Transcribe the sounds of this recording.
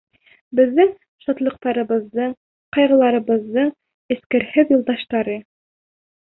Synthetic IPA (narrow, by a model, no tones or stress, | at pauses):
bɘ̆ðːɘŋ | ʃɑt̪lˠɤ̆q̚t̪ɑɾɤ̆βɤ̆ðːɤɴ | qɑjʁɤ̆lˠɑɾɤ̆βɤ̆ðːɤɴ | ɘ̆skɘ̆ɾhɘðjŭlˠd̪ɑʃt̪ɑɾɤ